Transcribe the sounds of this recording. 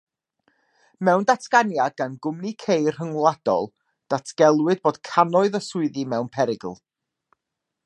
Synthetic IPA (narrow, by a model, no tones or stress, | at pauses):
mɛwndatʰɡ̥anjad̚ɡanɡʊmnikʰejr̥həŋlˠad̥ɔ̰lˠ | d̥atʰɡ̥ɛlˠwɨd̚boːd̥kʰanɔɨðəsʊɨðimɛwnpʰɛɾɪɡ̰l̩ˠ